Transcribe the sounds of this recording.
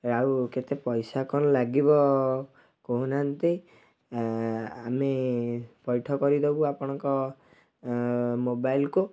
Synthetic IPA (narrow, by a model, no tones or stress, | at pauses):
ɾawket̪epɔjsakʰɔnɔlaɡibɔ | koɦunant̪i | amepɔjʈʰɔkɔɾid̪ebuapɔɽ̃ɔŋkɔ | mobajlku